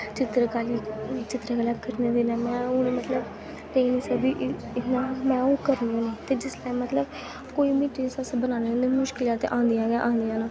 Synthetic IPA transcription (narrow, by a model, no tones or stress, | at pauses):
t͡ʃɪt̪ɾəkaːliːt͡ʃɪt̪ɾaːkəlaːkəɾneːd̪eːnãːmɛ̃ːʊnemət̪ləb | leiːnĩːsəkd̪iːʔ | ɪnãmɛ̃ːoːkəɾnːõːnẽːt̪eːd͡ʒɪslaːimət̪ləb | koːiːmiːʈisəsbənãːneːd̪emʊʃkɪlat̪ʔãːnd̪ijãːɡãʔãːnd̪ijãːnãː